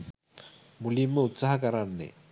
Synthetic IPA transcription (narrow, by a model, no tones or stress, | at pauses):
mulimːəut̪saɦakəɾanːḛ